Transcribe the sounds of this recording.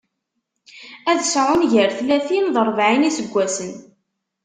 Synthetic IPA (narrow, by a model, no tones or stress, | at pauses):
æðsʕˤʊnʝəɾθlæθimðˤəɾˤvʕinisəɡʷːæsən